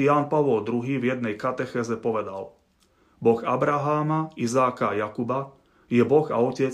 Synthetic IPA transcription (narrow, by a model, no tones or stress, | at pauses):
jaːnpaʋɔld̪ɾuɦiːvjɛd̪̚nɛjkat̪ɛxɛːzɛpɔʋɛd̪a̰l | bɔɣabɾaɦaːmaizaːkajakuba | jɛbɔɣa̰ɔcɛt͡s